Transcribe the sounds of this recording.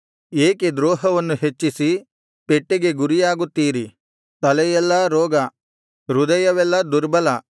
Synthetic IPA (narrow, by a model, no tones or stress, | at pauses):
eːked̪ɾɔːɦɐʋɐnːuɦet͡ʃːisi | peʈːeɡe̞ɡuɾijaːɡut̪ːiːɾi | t̪ɐlɛjɛlːɐɾɔːɡɐ | ɾud̪ɐjɐʋɛlːɐd̪uɾbɐlɐ